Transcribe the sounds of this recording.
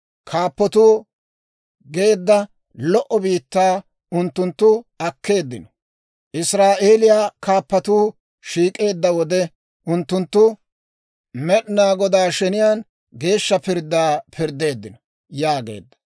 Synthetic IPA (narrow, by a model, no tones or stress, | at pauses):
kʰaːpːɔt̪uː | ɡe̞ːd̪ːɐ | lɔʔɔbiːt̪ːaː | ʊnt̪ːʊnt̪ːʊɐkːe̞ːd̪ːɪnɔ̥ | ʔɪsɾaːʔe̞ːlɪjaːkaːpːɐt̪uː | ʃiːkʼe̞ːd̪ːɐwɔd̪ɛ | ʔʊnt̪ːʊnt̪ːʊ | mɛɗɪnaːɡɔd̪aːʃɛnɪjaːn | ɡe̞ːʃːɐpɪɾd̪ːaːpʰɪɾd̪ːe̞ːd̪ːɪnɔ | jaːɡe̞̰ːd̪ːɐ̥